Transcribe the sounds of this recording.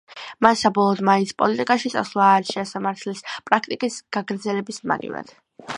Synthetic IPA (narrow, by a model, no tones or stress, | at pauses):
masːabɔlˠɔːd̪maispʼɔlit̪ʼikʼaʃit̪sʼaslˠaːɾiʃiasamaɾt̪ʰlispʼɾakʰt̪ʼikʼisɡ̥aɡɾd̪zɛlɛbisma̰ɡḭva̰d̪̥